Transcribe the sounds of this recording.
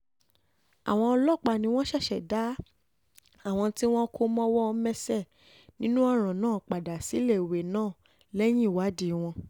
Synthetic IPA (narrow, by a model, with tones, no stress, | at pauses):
a˨w̃ɔ̃˧ɔ˧lɔ˦˨k͡pa˧nĩ˧˦w̃ɔ̃˦ʃɛ˦˨ʃɛ˨da˦ | a˦˨w̃ɔ̃˧ti˦w̃ɔ̃˦kʰo˧mɔ̃˦wɔ˦ɔ˧mɛ̃˦sɛ˦˨ | nĩ˦nũ˦ɔa˦˨ɾ̃ã˨nãː˦˨k͡pa˨da˨si˨˦le˦˨we˨nãː˦˨ | lɛ˦j̃ĩ˦i˦˨wa˨˦di˦˨˦w̃ɔ̃˧